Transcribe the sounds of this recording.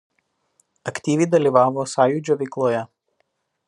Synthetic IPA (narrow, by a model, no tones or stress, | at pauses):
ɐkʲt̪ʲiːʋʲɛɪd̪ɐlʲiˑʋɑːʋoːsɑːjud͡ʒʲoːʋʲɛɪklˠoːjɛ